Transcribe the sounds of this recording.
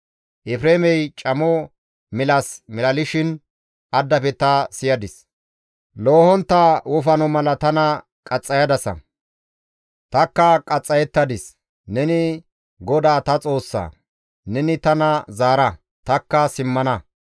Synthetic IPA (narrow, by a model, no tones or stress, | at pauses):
ʔɛfɾeːmɛjt͡ʃʼɐmɔ | mɪlɐsmɪlɐlɪʃɪn | ʔɐd̪ːɐpɛt̪ɐsɪjɐd̪ɪs | lo̞ːhɔnt̪ːawʊfɐnɔmɐlɐt̪ɐnɐ | kʼɐt͡sʼːɐjɐd̪ɐsɐ̰ | t̪ɐkːɐkʼɐt͡sʼːɐjɛt̪ːɐd̪ɪs | nɛnɪ | ɡɔd̪aːt̪ɐt͡sʼo̞ːsːa̰ː | nɛnɪt̪ɐnɐzaːɾɐ | t̪ɐkːɐsɪmːɐnɐ